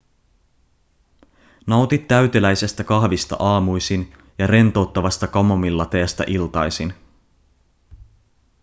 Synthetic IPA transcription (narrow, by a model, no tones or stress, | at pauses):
nɑwt̪it̪ːæɥt̪elæjse̞st̪ækɑhʋist̪ɑ̰ʔɑːmujsin | jɑɾe̞nt̪o̞ːt̪ːɑʋɑst̪ɑkɑmomilːɑt̪eæst̪æ̰ʔilt̪ɑjsin